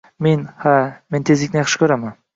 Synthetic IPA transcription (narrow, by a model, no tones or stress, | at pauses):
menhament̪ʰezlɪkʲnɪjɑχʃɪ̥kʰʲɵɾaman